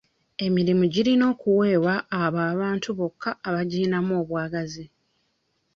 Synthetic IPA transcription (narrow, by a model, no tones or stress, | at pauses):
e̞miɾimuɟiɾino̞ːkuwe̞ːwaʔːβaːβaːntuβo̞kʰːaːβaɟiːnamoːβwaːɡazi